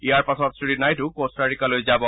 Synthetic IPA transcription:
ijaɹpasɔtsɹiɾinajtʊkostaɹikalojzabɔ

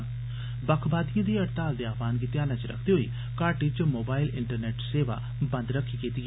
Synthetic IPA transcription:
bəkʰbaːd̪ijãːd̪iːəʈt̪aːld̪eːaːpʰaːnk̬it̪eaːnãt͡ʃəɾə̰kʰd̪eɦoḭː | kaːʈɪt͡ʃmoːbaːɪlɪɳʈəɾnɛːʈseːʋa̰ː | bə̃nd̪ɾəkʰːiːkiːt̪iɡ

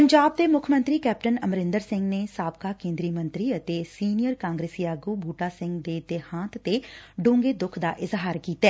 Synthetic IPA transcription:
pəɲd͡ʒaːb̚d̪eːmʊkʰmə̃nt̪ɾiːkɛːp̚ʈənəmɾɪ̃nd̪əɾsɪ̃ŋɡneːsaːb̚kaːkẽːnd̪ɾiːmənt̪ɾiːət̪eːsiːnijəɾkãːŋɡɾeːsiːaːɡuːbʱuːʈaːsɪ̃ŋɡd̪eːd̪ehãːt̪t̪eːɖõːŋɡeːd̪ʊkʰd̪a̰ːʔɪzɦaːɾkiːt̪aɛː

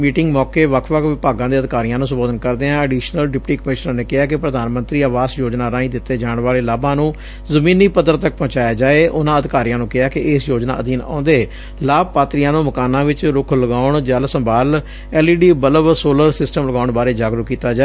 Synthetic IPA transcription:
miːʈɪŋɡmɔːkeːʋəkʰʋəkʋɪpaːɡãːd̪eːəd̪ɪkaːɾijãːnũːs̬əmboːd̪ənkəɾd̪eːãːəɖiːʃnəlɖɪpʈiːkəmɪʃnãːneːkɪɦaːkɪpɾəd̪aːnmənt̪ɾiːaːʋaːsjoːd͡ʒnaːɾãːĩːd̪ɪt̪ːeːd͡ʒaːɳʋaːleːlaːbãːnũː | zəmĩːniːpəd̪əɾt̪ək̚pɔ̃ːt͡ʃaːjaːd͡ʒaːeːʔʊnãːəd̪ɪkaːɾijãːnũːkɪɦaːkɪeːsjoːd͡ʒna̰ːəd̪iːnã̰ːnd̪eː | laːb̚paːt̪ɾijãːnũːməkaːnːãːʋɪt͡ʃɾʊkʰləɡaːʊɳd͡ʒəlsəmbaːl | ɛːliːɖiːbələʋsoːləɾsɪsʈəmləɡaːʊɳbaːɾeːd͡ʒaːɡɾəkiːt̪aːd͡ʒaː

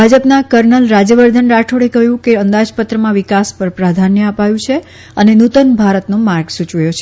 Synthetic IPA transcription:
bʱad͡ʒəpnakəɾnəlɾad͡ʒjəʋəɾd̪ʱənɾaʈʰoɽekəɦjũkeənd̪ad͡ʒpət̪ɾəmãʋikaspəɾpɾad̪ʱanjəəpajũt͡ʃʰe | ənenut̪ənbʱaɾət̪nomaɾɡsut͡ʃʋəjot͡ʃʰe

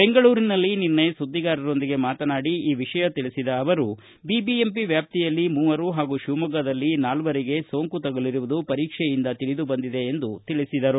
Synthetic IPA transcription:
be̞ŋɡɐɭuːɾinɐlːininːɐjɐsud̪ːiɡaːɾɐɾo̞nd̪iɡe̞maːt̪ɐnaːɽiiːʋiʃɐjɐt̪iɭisid̪ɐːʋɐɾu | bibiempiʋjaːp̚t̪ijɐlːimuːʋɐɾuɦaːɡuːʃumɐɡɐd̪ɐlːinaːlʋɐɾiɡe̞so̞ːŋkut̪ɐɡɐliɾuʋud̪upɐɾiːkʂɛjind̪ɐt̪iɭid̪ubɐnd̪id̪e̞ːnd̪ut̪iɭisid̪ɐɾu

